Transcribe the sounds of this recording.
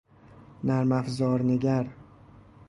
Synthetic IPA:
næɾmæfzɒːɾneɡʲæɾ

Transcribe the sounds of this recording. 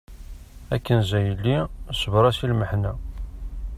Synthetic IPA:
ækːənzæjəlːisəvɾˤɑsilməħnæ

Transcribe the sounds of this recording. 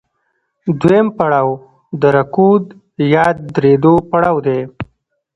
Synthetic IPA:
d̪empaɽaːw | d̪əɾakud̪ | jaːd̪ːɾed̪opaɽaːwd̪e

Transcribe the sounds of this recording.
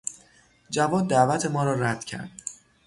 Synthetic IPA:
d͡ʒævɒːd̪̚ːæʔvæt̪ʰe̞mɒːɾɒːɾæd̪̥cʰæ̰ɾd̪̥

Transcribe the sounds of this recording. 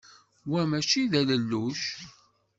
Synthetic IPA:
wæmæt͡ʃiðæləlːuʃ

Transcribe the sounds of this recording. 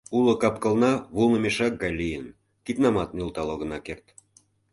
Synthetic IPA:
ulŏkɑp̚kəlnɑβulnə̆meʃɑk̚ɡɑjlʲijən | kit̪nɑmɑt̪̚nylˠt̪ɑloɣə̆nɑkert̪

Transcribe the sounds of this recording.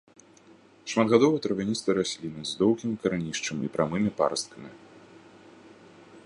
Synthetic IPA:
ʂmad̪ɣad̪ɔvɨjɐt̪ɾɐvʲanʲist̪vɨɾasʲlʲinɨzd̪ɔwkʲimʲkɐɾanʲiʂt͡ʂɨmḭpɾʔamɨmʲipa̰ɾɐst̪̚kɐmʲi

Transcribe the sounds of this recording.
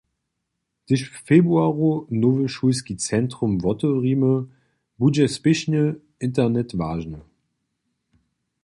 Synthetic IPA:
d̥ɪʃfeːbʁuaːʁonoːvəʃus̬kit͡sɛntʁ̥ʊmvɔtəʁimə | bud͡ʒɛspɪʃnə | ɪntɛnɛtvaːʒnə

